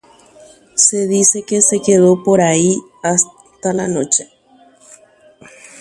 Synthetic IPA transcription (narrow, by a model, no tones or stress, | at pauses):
se̞ðise̞kese̞ke̞ðo̞po̞ɾai | as | t̪alano̞t͡ʃe̥